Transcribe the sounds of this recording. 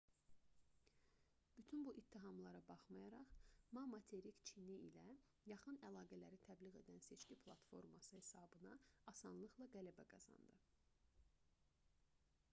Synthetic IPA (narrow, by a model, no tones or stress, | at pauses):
b̥yt̪ʰynbuʔit̪ʰːiɦɑmlˠɑɾɑbɑχmɑjɑɾɑχmɑmɑt̪ʰe̞ɾikt͡ʃʰiniḭlæ | jɑχɯnælˠɑːɡælæɾit̪ʰæbliɣe̞d̪ænse̞t͡ʃcʰipʰlˠɑt̪fo̞ɾmɑsɯhe̞sɑːbɯnɑɑsɑnlˠɯχlˠɑɡælæbæɡɑzɑ̰nd̪ɯ